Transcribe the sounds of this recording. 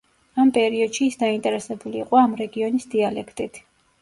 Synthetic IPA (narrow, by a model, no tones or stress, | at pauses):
ampʼɛɾiɔd̪̥ʃiːsd̪aint̪ʼɛɾɛsɛbuliːqʼɔamɾɛɡiɔnisd̪ialɛkʰt̪ʼit̪ʰ